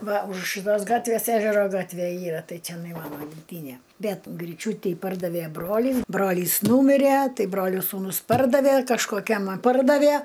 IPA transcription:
ˈʋɐ ʊʃ ʃɨˈtoːs ˈɡɑːtʲʋʲeːs ˈæːʒʲɛroː ˈɡɑːtʲʋʲeː ˈiːrɐ ˈtɐɪ t͡sʲɛˈnɐɪ ˈmɑːnoː ɡʲɪmʲˈtʲiːnʲeː ˈbʲɛt ɡrʲiːˈt͡ʃʲuːtʲiː ˈpɐrdɐʋʲɛ ˈbroːlʲiːs ˈbroːlʲiːs ˈnuːmʲɪrʲɛ ˈtɐɪ ˈbroːlʲoː suːˈnʊs ˈpɐrdɐʋʲeː kɐʃkoːˈkʲɛm ɐ ˈpɐrdɐʋʲeː

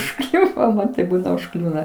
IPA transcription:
ʊʃˈklʲʊʋoː ˈmɐn tɐɪp ˈbuːnɐ ʊʃˈklʲuːnɐ

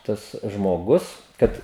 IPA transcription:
ˈtɐs ʒmoːˈɡʊs ˈkɐt

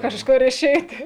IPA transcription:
kɐʃˈkʊr ɪˈʃʲɛɪtʲɪ

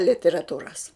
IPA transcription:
lʲɪtʲɛrɐˈtuːrɐs

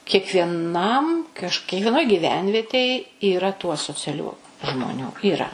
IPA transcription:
kʲiɛkʋʲiɛˈnɐm kɐʃ kʲiɛkʋʲiɛˈnoːj ɡʲiːˈʋʲɛnʲʋʲiɛtʲeːj iːˈrɐ tuː ɐsoːt͡sʲɛˈlʲuː ʒmoːˈnʲuː iːˈrɐ

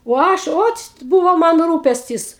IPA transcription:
oː ˈɐʃ ˈoːt͡ʃt ˈbuːʋoː ˈmɐn ˈruːpʲɛsʲtʲɪs

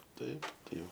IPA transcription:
ˈtɐɪp tɐɪ ˈjɛʊ

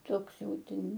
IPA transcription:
ˈtoːks ˈjɛʊ ˈtʲɛn

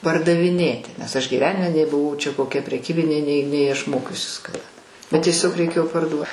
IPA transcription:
pɐrdɐʋʲɪˈnʲeːtʲɪ nʲɛs ˈɐʃ ɡʲiːˈʋʲæːnʲɪmʲɛ nʲɛɪ bʊˈʋɐʊ ˈt͡ʃʲɛ koːˈkʲɛ pʲrʲɛˈkʲiːbʲɪnʲeː nʲɛɪ nʲɛɪ ɐʃ ˈmoːkʲʊsʲɪs kɐˈdɐ bʲɛt tʲiɛˈsʲoːk rʲɛɪˈkʲeːjoː pɐrˈduɔ

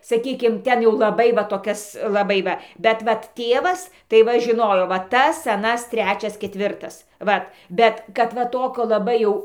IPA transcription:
sɐˈkʲiːkʲɪm ˈtʲɛn jɛʊ lˠɐˈbɐɪ ʋɐ toːˈkʲɛs lˠɐˈbɐɪ ʋɐ bʲɛt ˈʋɐt ˈtʲeːʋɐs tɐɪ ˈʋɐ ʒʲɪˈnoːjoː ʋɐ ˈtɐs ɐˈnɐs ˈtʲrʲæːt͡ʃʲɛs kʲɛtʲˈʋʲɪrtɐs ˈʋɐt ˈbʲɛt kɐt ˈʋɐ ˈtoːkʲoː lˠɐˈbɐɪ jɛʊ

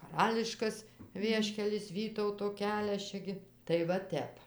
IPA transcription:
kɐˈrɑːlʲɪʃkɐs ˈʋʲiɛʃʲkʲɛlʲɪs ˈʋʲiːtɐʊtoː ˈkʲæːlʲɛs ˈt͡ʃʲɛ ɡʲɪ tɐɪ ʋɐ ˈtʲɛp

